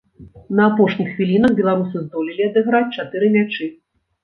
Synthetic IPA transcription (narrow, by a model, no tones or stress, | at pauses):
nɐapɔʂnʲixːvʲilʲinɐɣbʲɛlˠaɾusɨzd̪ɔlʲilʲiad̪ɨɣɾat͡sʲt͡ʂat̪ɨɾɨmʲat͡ʂɨ